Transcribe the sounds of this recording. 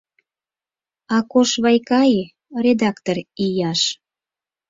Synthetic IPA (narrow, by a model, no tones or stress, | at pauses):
ɑkoʃβɑjkɑj | red̪ɑkt̪orijɑʃ